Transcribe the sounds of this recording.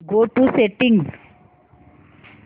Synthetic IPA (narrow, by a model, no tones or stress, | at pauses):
ɡoːʈuseʈɪ̃ŋɡ